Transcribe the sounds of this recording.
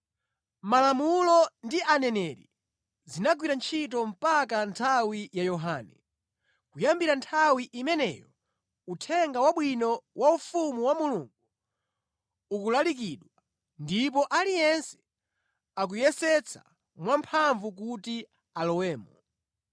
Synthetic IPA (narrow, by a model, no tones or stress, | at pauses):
malamulɔndiʔanɛnɛɾḭ | zinaɡ̬wiɾant͡ʃʰitɔm̩pakantʰawijajɔɦanɛ | kujambiɾantʰawiʔimɛnɛ̰jɔ | utʰɛŋɡawaɓwinɔwʔaufumuwamuluŋɡu | ukulalik̬iɗwa | ndipɔʔalijɛnsɛ̥ | ak̬ujɛsɛt͡sʰa̰ | mwampʰaɱvuk̬uti | alɔwɛːmɔ